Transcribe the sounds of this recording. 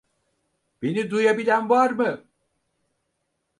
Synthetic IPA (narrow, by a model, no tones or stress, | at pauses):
b̥enid̪ujabilʲænvaɾmɯ